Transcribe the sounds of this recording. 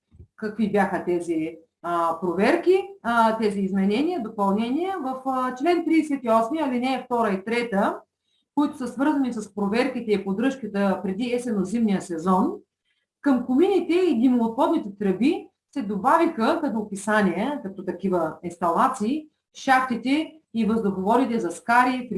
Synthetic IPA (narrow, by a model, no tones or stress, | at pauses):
kɐkvibʲjaxət̪ɛzi | pɾovɛɾkit̪ɛziːzmɛnɛniəd̪opɐlˠnɛnʲiɛvəft͡ʃlɛnt̪ɾiɛsɛt̪iɔsmijəɐlinɛːft̪ɔɾəit̪ɾɛt̪ə | koit̪ʊ̥səsvɤɾzɐnisɐspɾovɛɾkit̪ɛipod̪ɾɤʃkət̪əpɾɛd̪iɛsɛnozimnijəsɛzɔn | kɐmkʊminʲit̪ɛid̪imlˠot̪xɔd̪nit̪ɛt̪ɾəbi | sɛd̪obavixəkɐt̪opisanʲiɛkɐt̪ɔt̪ɐkivəinst̪ɐlˠat̪siː | ʃaft̪it̪ɛ | ivəzd̪oxovɔɾit̪ɛzɐskaɾipɾ